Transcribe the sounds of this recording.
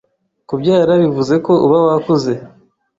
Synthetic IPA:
kubjaːɾaβivuze̞ko̞uβawakuze̞

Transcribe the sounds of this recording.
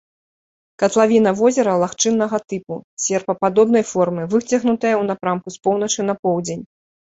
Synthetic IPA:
kɐt̪lˠavʲinɐvɔzʲɛɾɐlˠaxt͡ʂɨnːɐɣɐt̪ɨpusʲɛrpɐpad̪ɔbnɐjfɔrmɨvɨt͡sʲɐɣnut̪ɐjɐwnapɾamkuspɔwn̪ɐt͡ʂɨnɐpɔwd͡zʲenʲ

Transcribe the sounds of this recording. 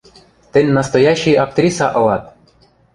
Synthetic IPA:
t̪ɘ̆nʲnɑst̪ojɑɕːijɑk̚t̪rʲisɑʔɤ̆lˠɑt̪̚

